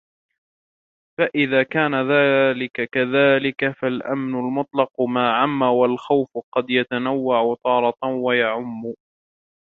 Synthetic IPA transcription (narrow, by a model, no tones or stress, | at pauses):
faʔɪðaːkaːnaðaːlɪkakaðaːlɪkafalʔa̰mnʊlmʊt̪ˤlɑqʊmaːʕamːawalxawfʊqɑd̪jat̪anawːaʕʊt̪ˤɑːɾˤɑt̪wajaʕʊmːʊ